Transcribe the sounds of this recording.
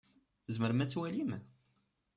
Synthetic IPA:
zməɾmæt͡sːwælim

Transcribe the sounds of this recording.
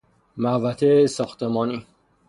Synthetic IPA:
mævæt̪ʰesɒːxt̪emɒːniː

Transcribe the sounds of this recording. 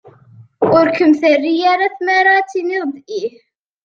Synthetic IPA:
ʊɾkəmθərːijaɾaθmaɾat͡sːiniðˤd̪ˤʔih

